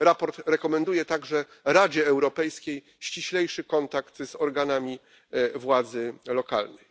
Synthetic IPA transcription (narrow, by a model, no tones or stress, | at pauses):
ɾapɔɾt̪ɾɛkɔmɛnd̪ujɛt̪aɡʐɛ | ɾad͡ʑɛːwɾɔpɛjskʲej | ɕt͡ɕiɕlɛjʂɘkɔnt̪akt̪z̥ɔɾɡanamʲi | vwad̪zɘlɔka̰lnɛj